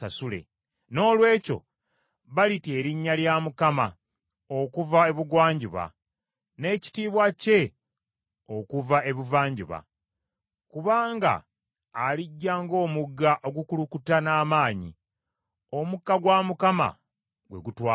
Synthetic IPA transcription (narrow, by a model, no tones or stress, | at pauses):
asule̞̰ | no̞ːlwe̞ːco̞̰ | βalite̞ːɾiɲːaljaːmukama | okuvae̞βuɡwaːɲɟiβa̰ | ne̞ci̥tiːβwace̞ | okuvae̞βuvaːɲɟṵβa̰ | kuβaːŋɡa̰ː | liɟːaːŋɡo̞ːmuɡːaʔo̞ɡukulukutanaːmaːɲḭ | o̞mukːaɡwaːmukama̰ | ɡwe̞ɡutwaː